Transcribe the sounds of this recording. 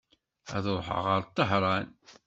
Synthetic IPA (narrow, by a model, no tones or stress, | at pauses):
æðoˤħə̰ʁəɾˤt̪ˤːəħɾˤɑn